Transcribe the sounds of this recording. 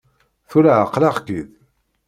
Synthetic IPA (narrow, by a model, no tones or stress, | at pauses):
θulʕəqːlaʁkið